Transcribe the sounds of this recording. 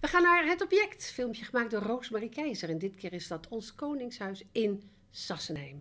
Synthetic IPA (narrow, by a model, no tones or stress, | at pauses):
ʋəχaːnaːɹɦətɔpjɛktfɪlˠmpjəχəmaːk̚dʊːɹrowsmarikɛjzəɹɛndɪtkɪːɹɪzdɑtʰɔnskownɪŋsɦœɥsɪn | z̥ɑsənɦɛjm